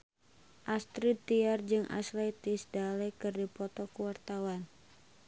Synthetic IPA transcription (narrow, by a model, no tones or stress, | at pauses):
ʔast̪ɾit̪iard͡ʒɨŋʔa̰slɛt̪isdalɛkɨrdipɔt̪ɔkuwart̪awan